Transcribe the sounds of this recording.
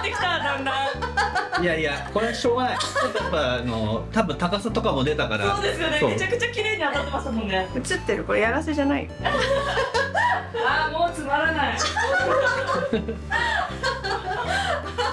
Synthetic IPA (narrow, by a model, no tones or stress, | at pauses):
t̪ːe̞kʲi̥t̪ad̪ãnːã | iaiako̞ɾeaɕoːɡat͡ɕot̪ːojapːaːnot̪abɯ̟̃nt̪akasat̪o̞kamo̞d̪e̞t̪akaɾaso̞ːd̪e̞sɨjo̞nemomet͡ɕakɯ̟t͡ɕakʲiɾe̞ːɲ̟iat̪ːat̪ːemasɨ̃mːoneɯ̟t͡ɕɨt̪ːeɾɯ̟ko̞ɾejaɡase̞ʑanaḭo | aːmo̞ːt͡sɨmaɾanai